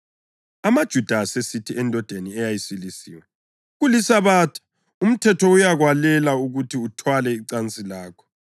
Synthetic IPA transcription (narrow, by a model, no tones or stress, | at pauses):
amad̥ʒ̥ʱud̥ʱaːsesitʰiɛndʱɔd̥ʱeniɛjajisilisḭːwa | ɣulisaβaːtʰḁ | um̩tʰɛtʰɔujaɣwalɛlauɣutʰiutʰwalɛiǀant͡sʼilaːkʰɔ̥